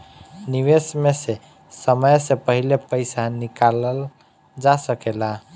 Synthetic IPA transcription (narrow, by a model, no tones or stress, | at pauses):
niʋesmese | səməjsepəɦilepəɪsanikaləl | d͡ʒasəkela